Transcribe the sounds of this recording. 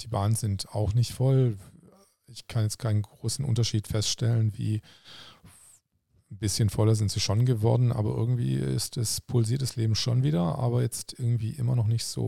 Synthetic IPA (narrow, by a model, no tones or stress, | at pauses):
d̥iːbaːnənzɪntʰaʊxnɪçtfɔl | ɪçkʰanjɛt͡stkʰaɪnənɡʁoːsn̩ʔʊ̰ntɐʃiːtfɛstʃtɛlənvḭː | n̩bɪsçənfɔlɐzɪntz̥iːʃonɡəvɔɐdn̩ʔa̰ːbɐʔɪ̰ɐɡŋ̩tv̥ḭːɪ̰stdɛspʰʊlziːɐtɛsleːbm̩ʃonviːdɐʔa̰ːbɐjɛt͡stʔɪɐɡŋ̩tv̥ḭːʔɪmɐnɔχnɪçtz̥o̰ː